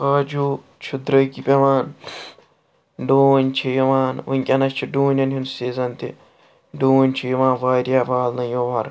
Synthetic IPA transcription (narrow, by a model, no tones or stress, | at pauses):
kaːd͡ʒuː | t͡ʃʰud̪ɾɐkipʲeʋaːn | ɖoːnʲt͡ʃʰijiʋaːnunʲkʲʼɐnɐst͡ʃʰiɖuːnʲɐnɦinsiːzɐnt̪ḭ | ɖoːnʲt͡ʃʰijiʋãːnʋaːɾʲjaːbaːlnɐjoːʋɐɾ